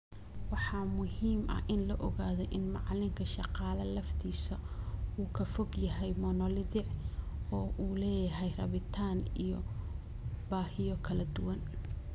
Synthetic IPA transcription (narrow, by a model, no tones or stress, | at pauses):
wɑħɑːmʊhiːmʔɐ̰ʔɪnlɔʔɔɣaːðɔjʔɪnmɑʕlɪŋkʰɐʃɑqɑːlɐlɐft̪ʰiːsɐuːkʰɐfɔɡjɐɦɛjmɔnɔlɪðɪʕɔːʔuːlɛːjɐɦɛjrɐ̰βɪt̪ʰaːnijɔ | baːhɪjɔkʰɐlɐd̪ʊwɐn